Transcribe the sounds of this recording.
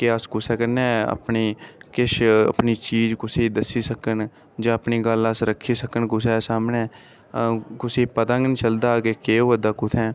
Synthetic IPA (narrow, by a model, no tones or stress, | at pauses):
keəskʊsɛːkəɾnɛ̃ə̰pniːkɪʃə̰pniːt͡ʃiːd͡ʒkʊsiːd̪əsiːsəkən | d͡ʒãːəpniːɡələsɾəkʰːiːsəkənkʊs̬ɛːsaːmnɛː | kʊsiːpət̪ãŋɡnit͡ʃəld̪aːkeːkeːoːʋəd̪aːkʊt̪ʰɛː